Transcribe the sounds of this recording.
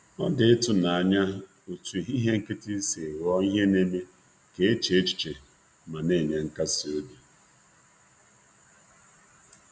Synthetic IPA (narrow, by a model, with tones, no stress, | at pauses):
ɔ˦dɪ˨e˦tʊ˨na˨a˨ɲa˦ | o˨tu˨ɦi˦ɦe˦ŋ̩˦˨kɪ˦tɪ˦se˨ɣɔ˦i˦ɦe˦ne˦me˦ | ke˨˦e˦t͡ʃe˨e˦t͡ʃɪ̥˨t͡ʃe˨ | ma˨ne˦˨ɲe˨ŋ̩˦ka˦si˨o˦di˨